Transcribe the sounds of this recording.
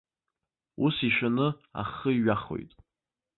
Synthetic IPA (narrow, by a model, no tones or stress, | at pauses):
usiʃᶣanɨa̰χəiɥaχo̞̰jtʼ